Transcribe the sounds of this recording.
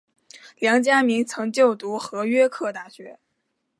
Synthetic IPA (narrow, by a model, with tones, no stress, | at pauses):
ljɑ˧˥ŋt͡ɕja˥mi˧˥ŋt͡sʰɤ˧˥ŋt͡ɕjo˥˩ʊt̪u˧˥xɤ˧˥ɥɛ˥kʰɤ˥˧t̪a˥˩ɕɥɛ˧˥